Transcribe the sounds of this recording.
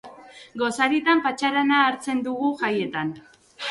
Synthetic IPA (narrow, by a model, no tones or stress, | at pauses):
ɡo̞saɾit̪ampat͡ʃaɾanaːɾt͡se̞nd̪uɣuʝaje̞t̪an